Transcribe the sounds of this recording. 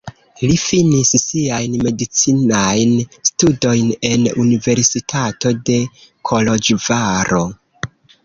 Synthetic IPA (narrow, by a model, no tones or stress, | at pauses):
lifinissiajnme̞dit͡sinajnstudo̞jne̞nunive̞ɾsitʰato̞de̞kʰo̞lo̞d͡ʒvaɾo̞